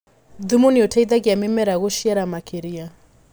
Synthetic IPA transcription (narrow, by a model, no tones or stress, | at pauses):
d̪umuniɔtʰait̪akiamɛmɛɾaɣoʃiaɾamakʰeɾia